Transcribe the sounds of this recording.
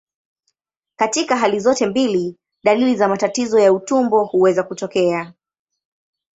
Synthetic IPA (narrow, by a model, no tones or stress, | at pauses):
katikaɦalizɔtɛmbili | ɗalilizamatatizɔjautumbɔhuwɛzakutɔkɛa